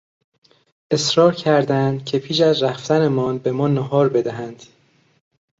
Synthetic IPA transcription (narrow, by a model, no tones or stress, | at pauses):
ʔe̞sɾɒːɾcʰæɾd̪ænd̪̥cʰe̞pʰiːʃæzɾæft̪ænemɒːnbe̞mɒːnɒɦɒːɾbe̞d̪æɦænd̪̥